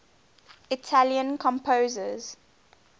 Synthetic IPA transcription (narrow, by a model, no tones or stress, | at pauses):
ɪtʰaljə̃nkʰɔ̃mpʰoːzəz̥